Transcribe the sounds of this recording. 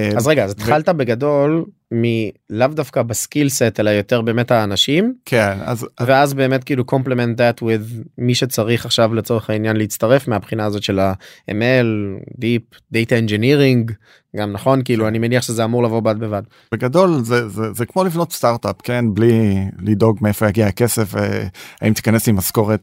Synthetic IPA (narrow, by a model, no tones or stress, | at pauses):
azʁeɡazt̪χaltabeɡado̞l | milavdafkabaskilsetelajo̞teʁbeːme̞thaːnaʃimkʰena̰zaveazbe̞ːme̞t̚kiiluko̞mplement̪̚d̪atʰwiðmiʃe̞t͡saʁiχaχʃavlet͡so̞ʁeχainjanleit͡staʁefmeapχinaːzo̞tʃe̞laḛmeldip̚ | d̪ejtaend͡ʒeniʁiŋɡ | ɡamnaχo̞nkiiluanimeniaχʃezeamuʁlavo̞bad̚bevad | beɡado̞lzezezekmolivno̞tst̪aʁtapkenblilido̞ɡmeefo̞jaɡiaakesefvḛaimt̪i̥kanesimasko̞ʁet̚